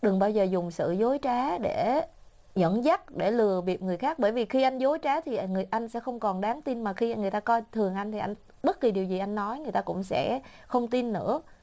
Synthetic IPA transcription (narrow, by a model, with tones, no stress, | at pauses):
ɗɨ˨˩ŋɓaː˧wzəː˨˩zʊ˨˩ŋ͡msɨ̰˧˨zo˨˦jt͡ɕaː˨˦ɗe˧˩ | ɲə̰˧˥nza˦˥t̚ɗe˧˩lɨ˨˩əɓi˨˩əp̚ŋɨ˨˩əjxaː˦˥k̚ɓəː˧˩jvi˨˩xi˧ʔa˧jŋ̟zo˨˦jt͡ɕaː˨˦t̪ʰi˨˩ŋɨ˨˩əjʔa˧jŋ̟sɛ̰˧˥xə˧wŋ͡mkɔ˨˩nɗaː˨˦ŋt̪i˧nmaː˨˩xi˧ŋɨ˨˩əjt̪aː˧kɔ˧jt̪ʰɨ˨˩əŋʔa˧jŋ̟t̪ʰi˨˩ʔa˧jŋ̟ | ɓə˦˥t̚ki˨˩ɗi˨˩əwzi˨˩ʔa˧jŋnɔ˨˦jŋɨ˨˩əjt̪aː˧kʊ̰˧˥ŋ͡msɛ̰˧˥ | xə˧wŋ͡mt̪i˧nːɨ̰˧˥ə